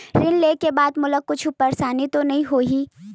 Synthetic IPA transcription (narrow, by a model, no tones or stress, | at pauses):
ɾɪnlekebaːd̪mʊlək̚kʊt͡ʃʰʊpəɾsaːnit̪onɐɦĩɦoːɦiː